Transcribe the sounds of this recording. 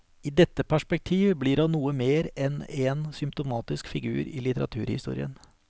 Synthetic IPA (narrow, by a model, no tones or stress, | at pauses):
iːd̪ɛt̪ːəpʰæʂpɛk̚t̪ʰiːʋblɪɖɑnuːəmeːɾɛnɛnsʏmpt̪ʊmɑːt̪ɪskfɪɡʉ̰ːɾɪ̰lɪt̪əɾɑ̰t̪ʰʉ̰ːɾhɪ̰st̪ṵːɾɪ̰ə̰n